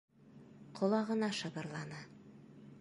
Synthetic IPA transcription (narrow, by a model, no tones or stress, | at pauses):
qʰŏlˠɑʁɤ̆nɑʃɤ̆bɤ̆ɾlˠɑnɤ